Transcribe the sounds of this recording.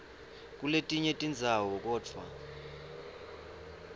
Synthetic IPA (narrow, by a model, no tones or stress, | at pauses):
k̬ʼuletʼiɲetʼind͡zʱawɔk̬ɔːd͡vʰʱwa̰